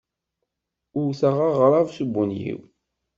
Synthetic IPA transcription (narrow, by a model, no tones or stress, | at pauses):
ʊwθaʁaʁɾˤɑvsubunjḭw